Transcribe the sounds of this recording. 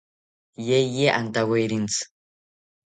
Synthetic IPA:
jejeʔant̪awejɾint͡sʰ

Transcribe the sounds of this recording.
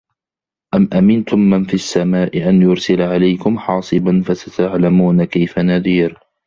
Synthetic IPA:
ʔamʔamɪnt̪ʊmːanfiasːamaːʔɪʔanjʊɾsɪlaʕalajkʊmħɑːsˤɨbanfasat̪aʕlamuːnakajfanaðiːɾ

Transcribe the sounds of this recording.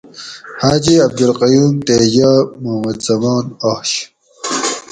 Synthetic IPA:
haːd͡ʑiɐb̚d̪ulqɐjuːmt̪eːd͡ʑaːmuhmɐd̪z̥ɐmaːnahɕ

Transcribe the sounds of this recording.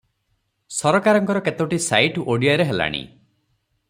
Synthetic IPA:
sɔɾɔkaɾɔŋkɔɾɔket̪oʈisajʈoɽiaɾeɦela̰ɽ̃ḭ

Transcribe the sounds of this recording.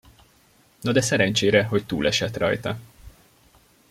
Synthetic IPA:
nod̪ɛsɛɾɛnt͡ʃeːɾɛɦo̞ct̪uːlʔɛʃɛt̪rɒ̰jt̪ɒ

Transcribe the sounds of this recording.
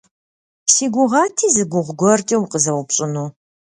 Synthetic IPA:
siːɡʷʊʁɑːtʰiːzɨɡʷʊʁʷɡʷɔrtʼiwmqəzɐwʊpɕʼɪnuː

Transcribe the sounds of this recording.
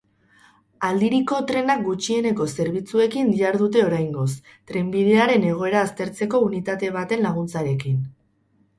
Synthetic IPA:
ald̪iɾiko̞t̪ɾe̞nak̚ɡut͡ʃie̞ne̞ko̞se̞ɾβit͡sue̞kind̪iaɾðut̪̬e̞o̞ɾajŋɡo̞s | t̪ɾe̞mbið̞e̞aɾe̞ne̞ɣ̞o̞e̞ɾaːst̪e̞ɾt͡se̞ko̞unit̪at̪e̞β̞at̪e̞nlaɣ̞unt͡saɾe̞kin

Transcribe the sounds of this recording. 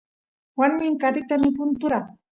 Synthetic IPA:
waɾmɪŋkaɾɪt̪amɪpʊnt̪ʊɾaŋ

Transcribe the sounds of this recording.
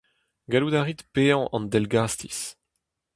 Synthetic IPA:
ɡalud̪aːʁit̪peːɑ̃ʔɑ̰̃nd̪ɛlɡaːst̪ḭs

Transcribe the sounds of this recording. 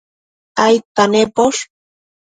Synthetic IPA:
ajt̪anepoʃ

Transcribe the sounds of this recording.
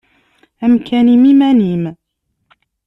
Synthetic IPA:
ʔamkʰaːniːmɪmaniːm

